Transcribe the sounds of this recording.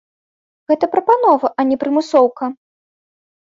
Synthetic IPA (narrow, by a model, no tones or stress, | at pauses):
ɣɛt̪ɐpɾɐpanɔvɐʔɐnʲɛpɾɨmɨsɔwkɐ